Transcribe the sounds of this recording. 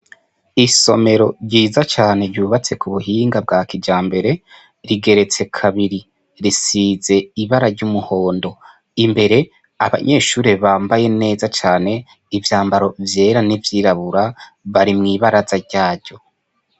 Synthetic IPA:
iso̞me̞ɾo̞ɾɟiːzat͡ʃaːne̞ɾɟuːβat͡se̞kuβuɦiːŋɡab̚ɡaːkid͡ʒaːmbe̞ɾe̞ | ɾiɡe̞ɾe̞t͡se̞kʰaβiɾi | ɾisize̞iβaɾaɾɟumuho̞ːndo̞ | imbe̞ɾe̞ | aβa̰ɲʔe̞ʃuːɾeβaːmbaje̞ne̞ːzat͡ʃaːne̞ | ivjaːmbaɾo̞vje̞ːɾanivjiːɾaβuɾa | βaɾimŋiːβaɾazaɾɟaːɾɟo̞

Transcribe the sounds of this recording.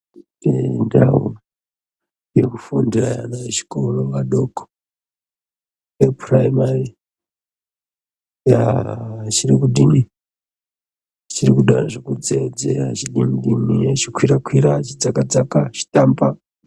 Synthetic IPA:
tendawo̰ | jekufundiraja̰najeʃi̥koroʋaɗoko̥ | eriprajmari | ja | t͡ʃiɾikuɗini | t͡ʃirikuɗaraʐekud͡zed͡zḛɾat͡ʃiɗiniɗinit͡ʃikʰwiɾakwiɾat͡ʃid͡zakad͡zakat͡ʃi̥tamba

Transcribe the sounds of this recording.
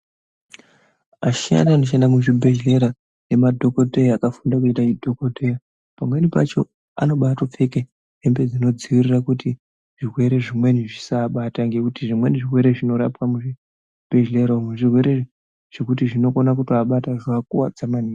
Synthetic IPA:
aʃia̰naanoʃ̬endamuʐibʱeʒle̞ɾa | ne̞madʱo̞ko̞te̞jaːkafundak̬uitaidʱo̞kotʰe̞ja | pamwe̞nipa̰t͡ʃo̞̰ | a̰no̞ɓatop͡fe̞ke | ɦembe̞d͡zino̞d͡ziʋirirakuti | ʐ̥irwe̞ɾe̞ʐimwe̞niʐisaɓataŋɡe̞kutiʐimwe̞niʐirwe̞ɾe̞ʐino̞ɾa̰pwamuʐi | b̥ʱeʒle̞ɾamuʐirwe̞ɾe̞ | ʐ̥ekut̬iʐino̞konakutiaɓataʐak̚uwa̰d͡zamaniːa

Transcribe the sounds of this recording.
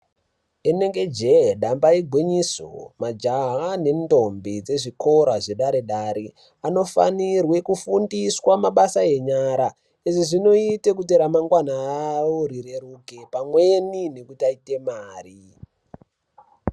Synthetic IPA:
ene̞ŋɡe̞d͡ʒeɗambaiɡʱwiɲiso̰mad͡ʒaɦane̞ndo̞mbid͡ze̞ʐiko̞ɾaʐeɗaɾeɗaɾi | ano̞fa̰nirwe̞kufundiswamaɓasae̞ɲaɾa | iʐiʐino̞ite̞kut̬eɾamaŋɡwanaːwoɾiɾeɾukepamwenine̞kutiaite̞maːri

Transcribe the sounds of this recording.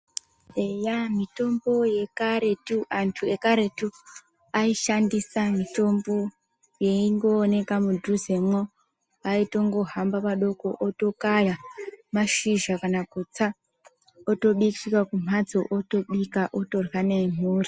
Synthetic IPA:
ejamito̞mbo̞je̞kaɾe̞tuantʰue̞kaɾe̞tu | aiʃandisamito̞mbo̞ | je̞iŋɡo̞ːne̞kamudʱuze̞mo | aito̞ŋɡo̞ɦambaʋaɗo̞ko̞ʔoto̞kajamaʃiʒakanakut͡sa | oto̞ɓikikakum̤ad͡zoʔoto̞ɓikaʔoto̞rwanem̤uːri

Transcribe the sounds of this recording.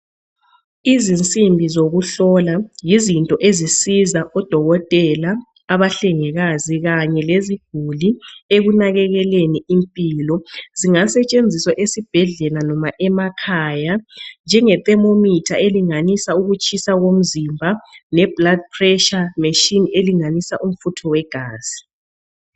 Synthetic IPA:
izint͡sʼimbʱizoɣuɬɔlajizintʼɔʔezisizaʔɔd̥ʱɔɣɔtʼɛlaː | βaɬɛŋɛɣaziɣaɲɛleziɡ̥ʱulieɣunaɣɛɣɛleniimpʼilɔziŋasɛt͡ʃʼend͡zʱiswaʔesib̥ʱɛɮɛlanɔmaʔɛmakʰajand͡ʒʱɛŋɛt̪ʼɛmomitʰaeliŋanisauɣut͡ʃʼʰisaɣom̩zimbʱanɛb̥lad̚pʰrɛʃameʃineliŋanisaʔum̩futʰɔwɛɡ̥ʱaːz̥i

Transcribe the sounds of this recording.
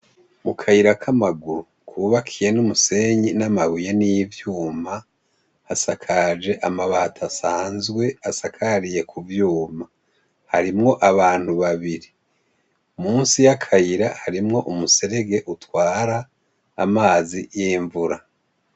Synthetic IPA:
mukʰajiɾakʰamaɡuɾukʰuβakʰije̞numuse̞ɲinamaβuje̞nijivjuːma | hasakʰad͡ʒe̞ʔamaβatʰasaːnzɡwe̞asakʰaɾije̞kʰuvjuːma | haɾimŋo̞ʔaβaːn̥huβaβiɾi | umuːnsijakʰajiɾahaɾimŋo̞ʔumuse̞ɾe̞ɡe̞ʔutwaːɾa̰ː | maːzijiːɱvuɾa

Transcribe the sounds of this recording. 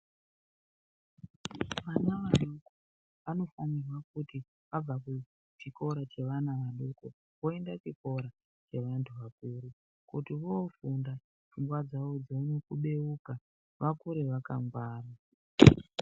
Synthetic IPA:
ʋanaʋaɗoko | ʋano̞fanirwakuti | ʋab͡vaku | t͡ʃiko̞ɾat͡ʃe̞ʋanaʋaɗoko | ʋo̞e̞ndat͡ʃiko̞ɾa | t͡ʃe̞ʋantʰuʋakuːɾu | kutiʋofunda | fuŋɡwad͡zaʋo̞d͡zounekuɓe̞uka | ʋakuɾeʋaka̰ŋɡwaːra

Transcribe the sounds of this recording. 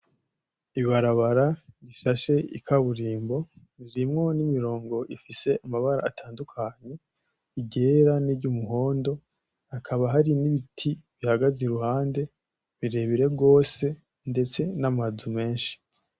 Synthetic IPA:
iβaɾaβaɾaɾiʃaʃe̞ḭkʰaβuɾiːmbo̞ | βiɾimŋo̞nimiɾo̞ːŋɡo̞ʔifise̞ʔamaβaɾa̰ːtʰaːndukʰaɲe̞ | iɟe̞ɾanibɟumuɦo̞ːndo̞ | akʰaβaɦaɾiniβitʰiβihaɡazeɾuhaːnde̞ | βiɾe̞βiɾe̞ɡo̞ːse̞ | nde̞t͡se̞namazume̞ːnʃi̥

